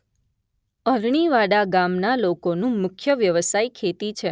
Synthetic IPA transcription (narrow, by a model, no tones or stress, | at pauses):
əɾɳ̃iʋaɽaɡamnalokonũmʊkʰjəʋjəʋəsajkʰet̪it͡ʃʰe